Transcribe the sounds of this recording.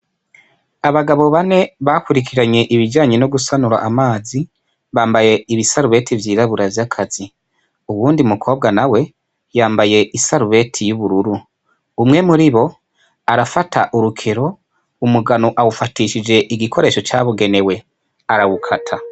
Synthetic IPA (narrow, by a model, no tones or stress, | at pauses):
aβaɡaβo̞βane̞βakuɾikʰiɾaɲe̞ʔiβiɟaːɲeno̞ɡusanuɾa̰ʔːmaːzi | βaːmbaje̞iβisaɾuβe̞ːtʰivjiːɾaβuɾavjakʰaz̥i | uβuːndiumukʰo̞ːb̚ɡanawe̞ | jaːmbaje̞ʔisaɾuβe̞tʰijuβuɾuɾuː | mŋe̞muɾiβo̞ | aɾafataʔuɾukʰe̞ɾo̞ | umuɡanoʔawufatiːʃid͡ʒe̞ʔiɡikʰo̞ɾe̞ːʃo̞t͡ʃaːβuɡe̞ne̞we̞ | aɾawukʰatʰa